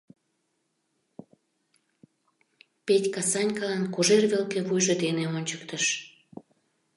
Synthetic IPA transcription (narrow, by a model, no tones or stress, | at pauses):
petʲkɑsɑnʲkɑlɑnkoʒerβelkeβujʒod̪eneonʲt͡ɕə̥kt̪əʃ